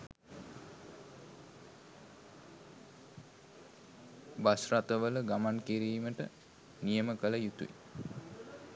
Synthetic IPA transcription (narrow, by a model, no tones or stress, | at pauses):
basrat̪əʋələɡamankiɾiːməʈə | nijəməkələjut̪ṵḭ